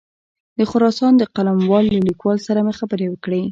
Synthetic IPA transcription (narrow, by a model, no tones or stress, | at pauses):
d̪əxʊɾɑsɑnd̪əqalamwɑlːalikwɑlsaɾamexabəɾewəkɽe